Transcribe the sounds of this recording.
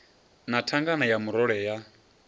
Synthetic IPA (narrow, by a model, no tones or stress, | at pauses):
natʰaŋɡanajamuɾɔɺɛja